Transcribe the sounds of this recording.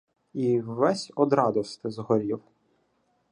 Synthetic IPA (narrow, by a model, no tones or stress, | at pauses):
iːɛsʲɔd̪ɾɑd̪ɔst̪ɪzɦɔɾʲiw